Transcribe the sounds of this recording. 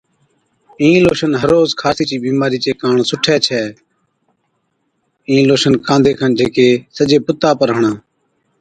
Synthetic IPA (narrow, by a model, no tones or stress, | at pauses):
ĩːloːʃənɦəɾoːzkʰaːsiːt͡ʃiːɓiːmaːɾiːt͡ʃeːkaːɳsʊʈʰɛːt͡ʃʰɛː | ĩːloːʃənkãːnd̪ʱeːkʰand͡ʒʱeːkeːsəd͡ʒeːpʊt̪ːaːpəɾəɦɳãː